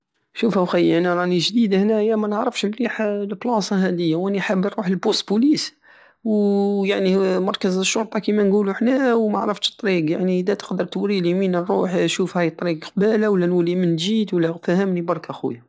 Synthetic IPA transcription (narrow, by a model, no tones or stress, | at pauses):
ʃufhæwxæjʔænæɾˤɑʔniʒd̪id̪hnæjːæmænəʕɾˤəfʃlliħlblɑsˤɑɦæd̪əjːawʔæniħəbːəɾˤuħəlbust̪bulis | wjaʕnimɑɾˤkəzəʃːʊɾˤt̪ˤɑkimænɡuluħnæwmæʕɾəft̪t̪ˤːɾiɡjaʕnid̪æt̪ə̥qd̪əɾˤt̪wɾiliminərˤːuħʃufhæjt̪ˤːɾiɡqbælawəlːænwəlːimənʒit̪wəlːæfæhəmnibɑɾˤkæxṵja